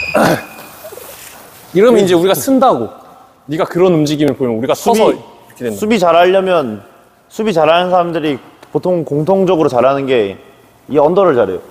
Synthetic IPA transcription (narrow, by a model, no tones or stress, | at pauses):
iɾʌmind͡ʑe̞uɾiɡasʰɯndaɡo | ɲiɡakɯɾʌnumd͡ʑiɡimɯɭpoimjʌnuɾiɡasʰuʌbi | kʰesʰubit͡ɕaɾaʎːʌmjʌn | sʰubit͡ɕaɾanɯnsʰaɾamdɯɾipotʰoŋkoŋtʰoŋd͡ʑʌɡɯɾot͡ɕaɾanɯnɡe̞ | ieʌndʌɾɯɭt͡ɕaɾḛjo̰